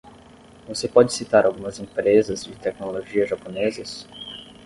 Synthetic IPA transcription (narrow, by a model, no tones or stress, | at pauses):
vosepɔd͡ʒɪsit̪aɾʔawɡũmɐzẽpɾezɐzd͡ʒɪt̪ɛknoloʒiɐʒaponezɐs